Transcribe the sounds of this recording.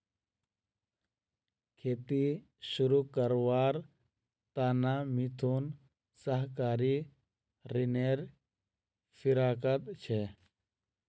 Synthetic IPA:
kʰeːt̪i | ʃuɾukəɾʋaːɾ | t̪aːnamit̪ʰuːn | səɦkaːɾi | ɾineːɾ | fɪɾaːkət̪t͡ʃʰe

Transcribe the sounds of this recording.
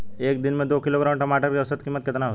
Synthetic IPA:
eːk̚d̪ɪnmẽd̪oːkɪloɡɾaːmʈɐmaːʈəɾkjəʋsət̪kimːət̪̚kɪt̪naɦo

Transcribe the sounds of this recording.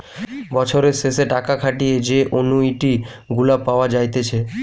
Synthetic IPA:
bɔt͡ɕʰoɾeɾseseʈakakʰaʈijed͡ʑeʔonuiʈi | ɡulapːaoad͡ʑajt̪et͡ɕʰe

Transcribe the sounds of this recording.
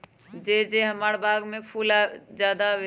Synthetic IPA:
d͡ʒed͡ʒeɦəmaːɽbʱaːɡmẽpʰuːlad͡ʒjaːd̪aʋe

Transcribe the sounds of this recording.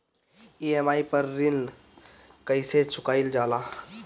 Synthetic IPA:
iemaːipəɾːil | kəɪset͡ʃʰʊkaːild͡ʒaːla

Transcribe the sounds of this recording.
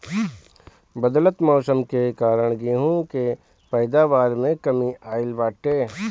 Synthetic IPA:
bəd̪lət̪mɔːsəmkekaːɾəɽ̃ɡiɦũke | pɐɪd̪aːʋaːɾmẽkɐmiaːɪlʋaːʈeː

